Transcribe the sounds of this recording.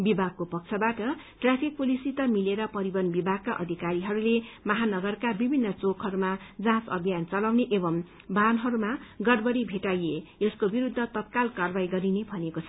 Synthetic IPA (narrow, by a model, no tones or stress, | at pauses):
bibʱaɡ̚kopʌk̚t͡sʰʌbaʈʌ | ʈrapʰik̚pulisit̪ʌmileɾʌpʌɾibʌnbibʱaɡ̚kaʔʌ̰d̪ʱikaɾiɦʌɾulemʌɦanʌɡʌrkabibʱinːʌt͡sokɦʌɾumad͡zãsʌ̰bʱijant͡sʌlawneʔebʌm | bʱanɦʌɾumaɡʌrbʌɽibʱeʈajeeskobiɾud̪ʱːʌt̪ʌt̪̚kalkarbajɡʌɾinebʱʌnekot͡sʰʌ